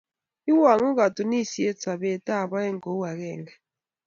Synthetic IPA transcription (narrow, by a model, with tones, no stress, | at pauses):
i˦wa˨ŋu˦k̬a˨tʼu˨ni˦si˨ɛ˦t͡sʰʼa˨ɓɛ˨tʼa˦˨ɓa˦ɛ˦ŋɡɔ˨˦wa˨kɛ̰ː˨ŋɡa˨